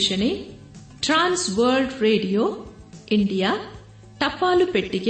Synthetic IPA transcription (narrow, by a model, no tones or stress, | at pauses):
ʃɐne | ʈɾaːnsʋɐːɾɖɾeːɖijoː | iɳɖijaː | ʈɐpːaːlupeʈːiɡ